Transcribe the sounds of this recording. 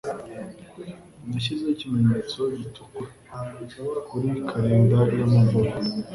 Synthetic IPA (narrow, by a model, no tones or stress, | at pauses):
naʃize̞cime̞ɲe̞ːt͡so̞ɟitʰu̥ka | kuɾikʰaɾeːndajamuvuɾa